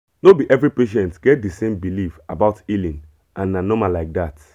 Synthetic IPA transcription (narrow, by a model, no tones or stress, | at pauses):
nobiʔɛvɹipeʃɛ̃ntɡ̥ɛt̚disẽmbilifabaʊtilĩn | ʔãnnanɔmalaɪk̚dat